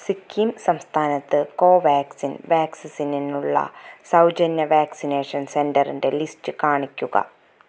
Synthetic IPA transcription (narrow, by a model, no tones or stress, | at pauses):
sikːimsɐmst̪ʰaːnɐt̪ːɨko̞ːʋaːksinʋaːksɐsininːuɭːɐ̰sɐwd͡ʑɐnjɐʋaːksine̞ːʂɐnse̞ndɐrinde̞listɨkaːɳikʲːuɣɐ̰